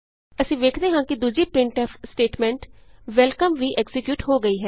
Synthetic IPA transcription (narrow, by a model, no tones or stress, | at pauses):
əsĩːʋeːkʰd̪eːɦãːkɪd̪uːd͡ʒiːpɾɪɳʈɛːpʰsʈeːʈmɛ̃ːɳʈʋɛlkəmʋiːʔɛksɪkjuːʈɦoːɡəiːɦɛː